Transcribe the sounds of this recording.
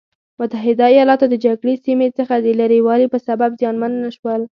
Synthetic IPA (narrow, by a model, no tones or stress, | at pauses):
mʊt̪aɦɪd̪aijɑlɑt̪od̪əd͡ʒaɡɽesimet͡səxad̪əlaɾiwɑlipəsababzjɑnmanːaʃwəl